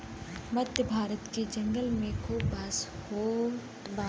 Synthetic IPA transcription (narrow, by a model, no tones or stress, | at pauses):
mɐd̪jəbʱaːɾət̪ked͡ʒɐ̃ŋɡəlmẽkʰobashoː